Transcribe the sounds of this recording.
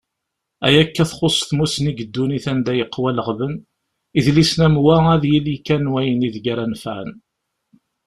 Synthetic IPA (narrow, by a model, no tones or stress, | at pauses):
æ̰jækːæθχosˤθmusniɡəd̪ːuniθænd̪æjəqːwæləʁvən | iðlisnæmwææðjilikænwæjəniðɡaɾænfʕə̰n